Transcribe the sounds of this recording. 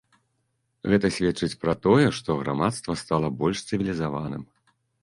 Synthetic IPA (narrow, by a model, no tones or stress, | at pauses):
ɣɛt̪ɐsʲvʲɛt͡ʂɨt͡sʲpɾat̪ɔjɛʂt̪ɔɣɾa̰mat̪st̪vɐst̪alˠɐbɔlʲʂst̪sɨvʲilʲizava̰nɨ̰m